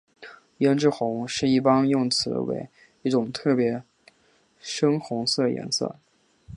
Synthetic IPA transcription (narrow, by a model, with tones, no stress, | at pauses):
jɛ˧˥nʈ͡ʂɻ̩˥˩xʊ˧˥ŋʂɻ̩˥˧i˥˩pɑ˥njʊ˥˩ŋt͡sʰɹ̩˧˥wḛ˧˥ɪ | i˥˩ʈ͡ʂʊ˨˩ŋt̪ʰɤ˥˩pjɛ˧˥ | ʂɤ˥ŋxʊ˧˥ŋsɤ˥˩jɛ̰˧˥nsɤ̰˥˩